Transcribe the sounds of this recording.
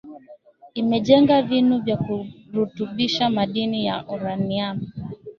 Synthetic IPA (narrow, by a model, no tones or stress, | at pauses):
imɛʄɛŋɡavinuvjakuɾutuɓiʃamaɗinijaʔuɾaniami